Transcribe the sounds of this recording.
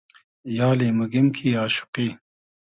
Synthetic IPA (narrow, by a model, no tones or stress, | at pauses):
jaːliːmɐɡimkʰiːaːɕu̥qiː